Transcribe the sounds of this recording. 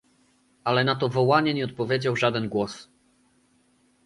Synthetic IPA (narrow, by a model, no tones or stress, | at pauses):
ʔalɛnat̪ɔvɔwaɲɛɲɛɔt̪̚pɔvʲjed͡ʑawʐad̪ɛnɡwɔs